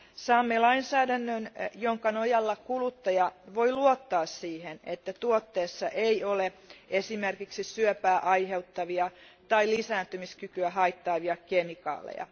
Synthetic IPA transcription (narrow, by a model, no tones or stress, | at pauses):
sɑːmːelɑinsæːdænːønjoŋkɑnojɑlːɑkulut̪ːɑjɑʋoiluot̪ːɑːssiːhenet̪ːæt̪uot̪ːeːsːɑʔeioleesimerkiksisyøpæːʔɑiheut̪ːɑʋiɑ | t̪ɑilisæːnt̪ymiskykyæhɑit̪ːɑːʋiɑkemikɑ̰ːlḛjɑ̰